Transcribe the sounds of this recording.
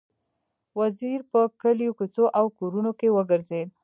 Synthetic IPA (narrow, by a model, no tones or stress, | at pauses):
waziɾpəkəljokut͡soʔawkoɾunokewəɡəɾzed̪̚